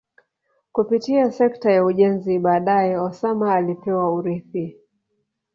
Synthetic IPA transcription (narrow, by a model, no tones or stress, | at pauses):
kupitiasɛktajauʄɛnziɓaːɗajɛɔsamaːlipɛwauɾiθi